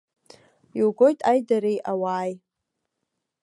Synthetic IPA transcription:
iwɡo̞jtʼajdaɾejʔawaːj

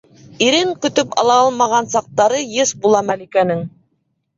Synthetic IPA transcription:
iɾɘŋkɵ̆t̪ɵpɑ̰lˠɑɑlˠmɑʁɑnsɑq̚t̪ɑɾɤjɤsbulˠɑmælikænɘŋ

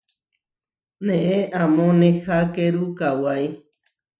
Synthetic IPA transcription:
nẽʔeʔãmõnẽxakeɾukawaj

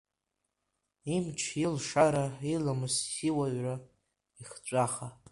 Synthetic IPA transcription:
imt͡ʃʰilʂaɾailamɨsːiwaɥra | iχt͡ɕʷʼaχa

